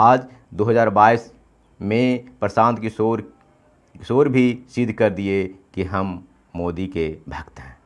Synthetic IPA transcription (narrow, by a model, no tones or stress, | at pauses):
aːd͡ʒ | d̪oːɦəzaːɾbaːis | mẽpɾəsãːnt̪kioɾ | soːɾbʱisɪd̪ʱkɐɾd̪iekiɦəmː | oːd̪ikebʱɐkt̪ɦɛ̃ː